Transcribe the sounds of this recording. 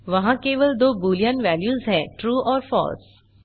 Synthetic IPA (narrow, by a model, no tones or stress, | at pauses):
ʋɐɦãkeːʋəld̪oːbuːlijənʋɛːljuːzɦɛ̃ːʈɾuːʔɔːɾfɔ̰ːls